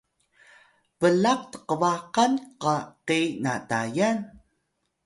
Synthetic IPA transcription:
vəlaq̚tə̥qəvaqanqəqinatajan

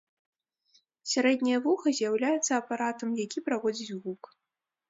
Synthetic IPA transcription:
sʲaɾɛd̪ʲnʲɐjɐvuxɐzʲjawlʲajɛt̪sɐːpaɾat̪ɐmjakʲipɾavɔd͡zʲit͡sʲɣuk

